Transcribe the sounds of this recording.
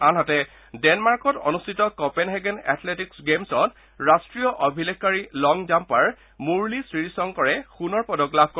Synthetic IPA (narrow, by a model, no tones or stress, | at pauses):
anɦatɛ | dɛnmaɹkɔtɔ̰nustʰitɔkɔpɛnɦɛɡɛnɛ̰tʰletiksɡemsɔt | ɹastɹijɔʔobʱilekʰkːaɹilɔŋd͡ʒampaɹ | muɹlisɹiɹsɔŋkɔɹɛxunɔɹpɔdɔklab̚ʱkɔ